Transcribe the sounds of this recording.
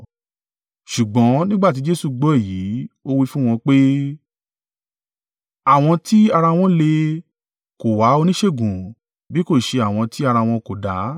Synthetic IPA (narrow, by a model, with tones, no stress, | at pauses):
ʃu˨ɡ͡bɔ̃˨˦nĩ˦ɡ͡ba˦˨t̬i˨˦d͡ʒe˦su˦˧˨ɡ͡bɔ˦e˦˨jiː˨˦o˦wi˦˧fũ˦w̃ɔ̃˧k͡pe˦ | a˦˨w̃ɔ̃˧ti˦a˧ɾa˧w̃ɔ̃˦le˧ | ko˨wa˨˦o˧nĩ˦ʃe˦˨ɡũ˨ | bi˨˦ko˦˨ʃe˧a˨w̃ɔ̃˧ti˦a˧ɾa˧w̃ɔ̃˧ko˨da˨˦